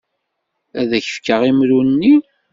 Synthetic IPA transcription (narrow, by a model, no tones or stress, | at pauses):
æðæçə̥fkəʁimɾunːi